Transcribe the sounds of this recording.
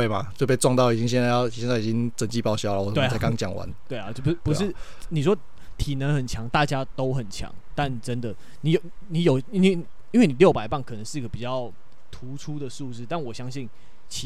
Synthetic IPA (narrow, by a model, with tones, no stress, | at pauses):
e˥˩ɪma̰˨˩t͡ɕo˥˧pe˥˧ʈ͡ʂwɑ˥˧ŋt̪ɑ˥˩ʊi˨˩t͡ɕi˦ŋɕ̬ɛ˥˧nt͡sa˥˧ɪjjɛ˥˧nt͡sa˥˩˨t͡ɕi˦˥ŋt͡sə˨˩nt͡ɕi˥˧pɑ˥˧ʊɕjɑ˥ʊla˨wɔ˨˩t̪e˧˩˨t͡sa˥˩ɪkɑ˥˦ŋt͡ɕjɑ˨˩ŋwa̰˧˦nt̪we˥˩ɪa˨o˥˩u˦pu˧˦ʂɻ̩˥˩ | ni˨˩ʂ̬wɔ˦˥ | t̪ʰi˨˩nə˨˦nxə˨˩nt͡ɕʰjɑ˧˦ŋt̪a˥˨t͡ɕja˥t̪o˥ʊxə˨˩nt͡ɕʰjɑ̰˦ŋt̪a˥˩nʈ͡ʂə˦nd̪ə˨ | ni˨˥jo˨˩ʊni˨˧˦jo˨˩ʊi˥nwe˥˩˨ | i˥nwe˥˩ni˨˩ljo˥˩ʊpa˨˩ɪpa˥˩nkʰɤ˨˩nə˧˦ŋʂɻ̩˥˩i˥ɡə˨pi˨˩t͡ɕjɑ˥˩ʊ | t̪ʰu˨˥˦ʈ͡ʂʰu˥d̪ə˨ʂu˥˧t͡sɹ̩˥˩t̪a˥˩nwɔ˨˩ɕjɑ˥ŋɕi˥˩n | t͡ɕʰ